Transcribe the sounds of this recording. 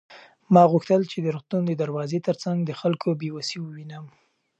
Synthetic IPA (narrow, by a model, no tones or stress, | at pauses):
mɑɣuxt̪əlt͡ʃed̪əɾʊxt̪und̪əd̪aɾwɑzet̪əɾt͡saŋɡd̪əxalkʰobewasiwəwinəm